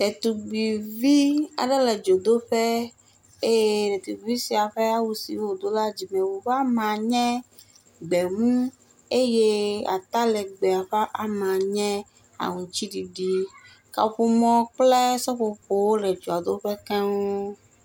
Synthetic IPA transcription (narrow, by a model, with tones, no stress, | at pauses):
ɖɛ˨t̪u˨ɡ͡bi˨vi˦a̰˨ɖe˦lɛ˨d͡ʒo˨d̪o˦ɸɛ˦ | e˦ɖɛ˨t̪u˨i˨vi˦si˨a˨ɸɛ˦a˦wu˦sḭ˨wo˨d̪o˦la˦d͡ʑi˨mɛ̃˨wo˨ɸa˦mã˨ɲɛ̃˦ | ɡ͡bɛ˨mũ˦ | e˦je˦a̰˨t̪a˦lɛ˨ɡ͡bɛ˨a˨ɸa˦ʔa˨mã˨ɲɛ̃˦ | a̰˨ŋũ˨t͡ɕi˦ɖi˨ɖi˦ | ka̰˨ɸu˦mɔ̃˦k͡plɛ˦sɔ˦ɸo˨ɸo˨wo˦lɛ˨d͡ʒo˨a˨d̪o˦ɸɛ˦kã˦wo˦